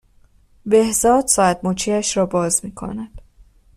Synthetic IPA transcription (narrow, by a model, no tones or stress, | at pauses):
be̞hzɒːd̪sɒæd̪muːt͡ʃʰiːæʃɾɒːbɒːzmiːkʰo̞̰næd̪̥